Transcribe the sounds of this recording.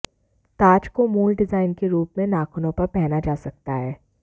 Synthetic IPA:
t̪aːt͡ʃkomuːlɖɪzaːɪnkeɾuːpmẽnaːkʰʊnõpɐɾpɛɦnad͡ʒaːsɐk̚t̪aɦɛː

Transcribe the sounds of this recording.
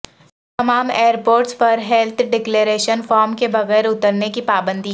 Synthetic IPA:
t̪ɐmaːmeːəɾpoːɾʈspɐɾɦɛlt̪ʰɖɪkleːɾeːʃənfaːɾmkebɐɣɛːɾʊt̪əɾnekipaːbə̃nd̪i

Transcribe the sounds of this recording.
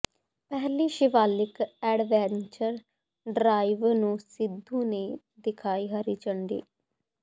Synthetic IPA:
pɛɦliːʃɪʋaːlɪkɛːɖʋɛːnt͡ʃəɾ | ɖɾaːiʋnũːsɪd̪ʱːũːneː | d̪ɪkʰaːiːɦəɾiːt͡ʃəɳɖḭː

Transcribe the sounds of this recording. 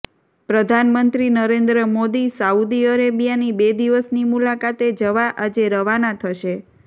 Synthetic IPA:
pɾəd̪ʱanmənt̪ɾinəɾend̪ɾəmod̪isaud̪iəɾebijanibed̪iʋəsnimulakat̪ed͡ʒəʋaʔad͡ʒeɾəʋanat̪ʰəʃe

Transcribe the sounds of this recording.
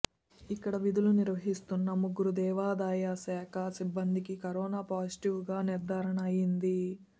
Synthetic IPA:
ikːɐɽɐʋid̪uluniɾʋɐɦist̪unːɐmuɡuɾud̪ɛːʋaːd̪aːjasɛːkʰɐsibːɐnd̪ikikɐɾɔːnaːpaːsi̥ʈiʋuɡaːniɾd̪ʱaːɾɐɳɐɐjind̪i

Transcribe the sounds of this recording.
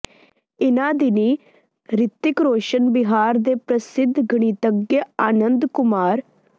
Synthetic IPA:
ɪnãːd̪ɪniː | ɾɪt̪ːɪkɾoːʃənbɪɦaːɾd̪eːpɾəsɪd̪ʱɡəɳ̃iːt̪əɡːeaːnənd̪kʊmaːɾ

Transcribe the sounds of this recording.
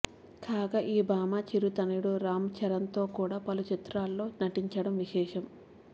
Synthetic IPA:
kaːɡaʔiːbaːmaːt͡ʃiɾut̪ɐniɽuɾaːmt͡ʃʰɐɾɐnt̪o̞ːkuːɽaːpɐlut͡ʃit̪ɾaːlːo̞ːnɐʈiɲt͡ʃɐɽɐmʋiʃɛːʃɐm

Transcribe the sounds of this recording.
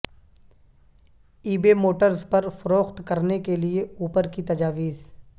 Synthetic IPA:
iːbemoːʈəɾzpɐɾfɐɾoːxt̪kɐɾnekelieuːpəɾkit̪ɐd͡ʒaːʋiːz

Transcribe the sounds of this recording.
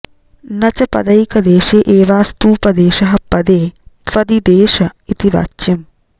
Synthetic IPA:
nɐt͡ʃɐpɐ̰d̪ɐikɐd̪eːʃeːʔeːʋaːst̪uːpɐd̪eːʃɐɦɐpːɐd̪eːpɐd̪id̪eːʃɐɪt̪iʋa̰t͡ʃːɪm

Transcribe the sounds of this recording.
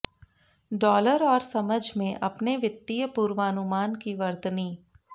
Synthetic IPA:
ɖɔːləɾɔːɾsɐməd͡ʒʱmẽʔɐpneʋɪt̪ːijəpuːɾʋaːnʊmaːnkiʋɐɾt̪niː

